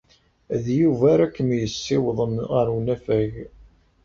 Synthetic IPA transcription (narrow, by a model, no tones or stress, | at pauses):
ðjuvæɾækːəmjəsːɪwðˤəməɾunæfæʝ